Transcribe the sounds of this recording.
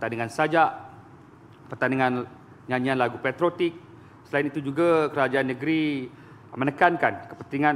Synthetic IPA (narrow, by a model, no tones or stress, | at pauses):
pət̪aniŋansad͡ʒaʔ | pərt̪aniŋãn | ɲãɲianlaɡupɛt̪ɾot̪ik̚ | səlainit̪ud͡ʒuɡakəɾad͡ʒaanːəɡɾi | mənəkankankə̥pənt̪iŋã